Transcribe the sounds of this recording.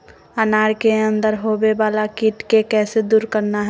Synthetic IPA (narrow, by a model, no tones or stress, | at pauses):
ənaːɾkeə̃nd̪əɾɦobebaːlakiʈkekɛːsed̪uːɾkəɾnaɦɛ